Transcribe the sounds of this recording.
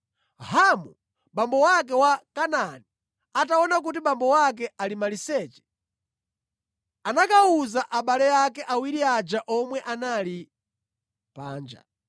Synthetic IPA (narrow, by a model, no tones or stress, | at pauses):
ɦhamu | ɓambɔwak̬ɛwakanani | ataɔnak̬ut̬imɓambɔwak̬ɛʔalimalisɛːt͡ʃɛ̥ | anakauzaʔaɓalɛjakɛʔawiɾiad͡ʒaʔɔmwɛʔanali | pa̰ːnd͡ʒa̰